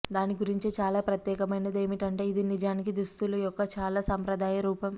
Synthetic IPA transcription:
d̪aːniɡuɾiɲt͡ʃit͡ʃaːlaːpɾɐt̪jɛːkɐmɐjnɐd̪e̞ːmiʈɐɳʈe̞ːid̪inid͡ʒaːnik̬id̪ust̪ulujɔkːɐt͡ʃaːlaːsɐmpɾɐd̪aːjɐɾuːpɐm

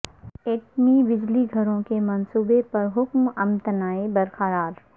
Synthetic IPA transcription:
eːʈnibɪd͡ʒliɡʱɐɾõkemɐnsuːbepɐɾɦʊkmɐmt̪ənaːebɐɾkaɾaːɾ

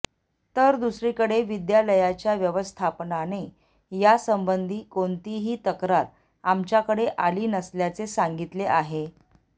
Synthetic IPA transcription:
t̪əɾd̪usɾiːkəɽeʋid̪jaləjat͡ɕjaʋjəʋəst̪ʰapnane | jasəmbənd̪ʱiːkoɳt̪iɦiːt̪əkɾaɾ | amt͡ɕjakəɽeʔaliːnəsljat͡sesaŋɡit̪leʔaɦe

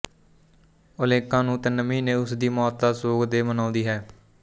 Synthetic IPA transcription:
ʊleːkãːnũːt̪eːnəmiːnẽːʊsd̪iːmɔːt̪̚d̪aːsoːɡd̪eːmənãːnd̪iːɦɛː

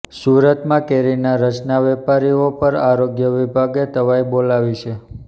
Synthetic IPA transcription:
suɾət̪mãkeɾinaɾət͡ʃnaʋɛpaɾiopəɾaɾoɡjəʋibʱaɡet̪əʋaibolaʋit͡ʃʰe

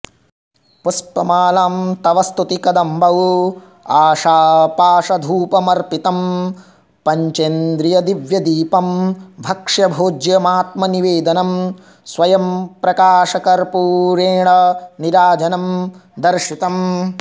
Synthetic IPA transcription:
pɐspɐmaːlaːmt̪ɐʋɐst̪ut̪ikɐd̪ɐmbʱɐʋ | aːʂaːpaːʂɐd̪ʱuːpɐmɐɾpit̪ɐm | pɐɲt͡ʃend̪ɾijɐd̪iʋjɐd̪iːpɐmbʱɐkʂjɐbʱoːd͡ʒjɐmaːt̪̚mɐniʋeːd̪ɐnɐm | sʋɐjɐmpɾɐkaːʂɐkɐɾpuːɾeːɳɐniɾaːd͡ʒɐnɐmd̪ɐɾʃit̪ɐm

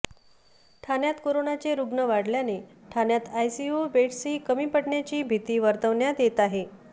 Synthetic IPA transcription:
ʈʰanjat̪koɾonat͡ɕeɾuɡɳəʋaɽljaneʈʰanjat̪ajsiubeʈsiːkəmiːpəɽɳjat͡ɕiːbʱit̪iːʋəɾt̪əʋɳjat̪jet̪aɦe

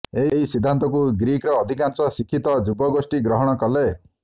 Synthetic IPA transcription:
eɦɦisid̪ʱːant̪ɔkuɡɾikɾɔːd̪ʱikansɔsikʰit̪ɔd͡ʒubɔɡosʈiɡɾɔɦɔɽ̃ɔkɔle

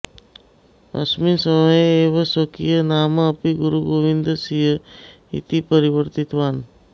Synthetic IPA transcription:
ɐ̰sminsəməjeːʋɐsokijənaːmɐːpiɡuɾuɡoːʋĩnd̪əsiɦə | ḭt̪ipəɾiʋəɾt̪it̪ʋaːn

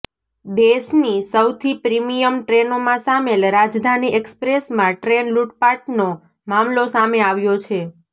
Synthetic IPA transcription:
d̪eʃnisəwt̪ʰipɾimijəmʈɾenomãsamelɾad͡ʒd̪ʱaniekspɾesmãʈɾenluʈpaʈno | mamlosameaʋjot͡ʃʰe

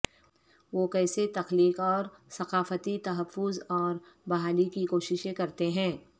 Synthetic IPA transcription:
ʋoːkɛːset̪ɐxliːqɔːɾsɐqaːfət̪it̪ɐɦəfːʊzɔːɾ | bɐɦaːlikikoːʃɪʃẽkɐɾt̪eɦɛ̃ː

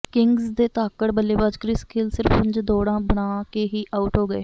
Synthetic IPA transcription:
kɪŋɡzd̪eːt̪aːkəʈbəlːeːbaːd͡ʒkɾɪskʰɪlsɪɾfʊ̃ɲd͡ʒd̪oːɽãːbəɳ̃ãːkeːɦiːʔaːʊʈɦoːɡəeː

